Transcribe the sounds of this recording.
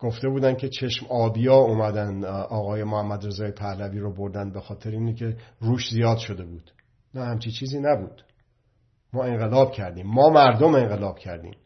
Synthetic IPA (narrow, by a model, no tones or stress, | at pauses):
ɡ̥o̞ft̪e̞buːd̪ænd̪kʲʰet͡ʃʰe̞ʃmɒːbijɒːuːmæd̪ænd̪ɒːɣɒːje̞mohæmːæd̪ɾe̞zɒːjepʰæhlæviːɾobo̞ɾd̪ænd̪̚be̞xɒːt̪ʰeɾeiːnekʰe̞ɾuːʃzijɒːd̪ʃo̞d̪e̞buːd̪̥ | næhæmt͡ʃʰit͡ʃʰiːziːnæbuːd̪̥ | mɒːe̞ŋɢe̞lɒːb̚cʰæɾd̪iːmːɒːmæɾd̪ome̞ŋɢe̞lɒːb̥cʰæɾd̪ḭːm